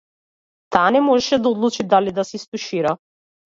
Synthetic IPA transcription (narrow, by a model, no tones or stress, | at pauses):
t̪aːnɛmɔʒɛʃɛd̪aɔd̪lˠut͡ʃid̪alid̪asɛist̪uʃiɾa